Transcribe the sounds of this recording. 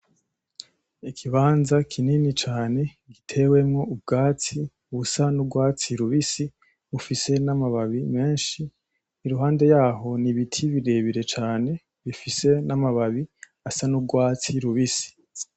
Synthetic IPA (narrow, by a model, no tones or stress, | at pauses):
ikʰiβaːnzakʰininit͡ʃaːne̞ | ɡitʰe̞we̞mŋo̞ub̚ɡaːt͡si | uβusanubɡwaːt͡siɾuβisi | βufise̞namaβaβime̞ːnʃiː | ɾuɦaːnde̞jaːɦo̞niβitʰiβiɾe̞βiɾe̞t͡ʃaːne̞ | βifise̞namaβaβi | asanubɡwaːt͡siɾuβisi̥